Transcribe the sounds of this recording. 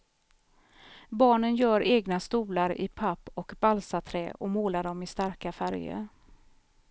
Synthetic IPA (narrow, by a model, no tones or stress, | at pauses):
bɑːɳənjœːɾeːɡnast̪uːlaɾɪ̰pʰapːɔkbalsat̪ʰɾɛːʔɔmoːlaɖɔmɪst̪aɾkafæɾjə̰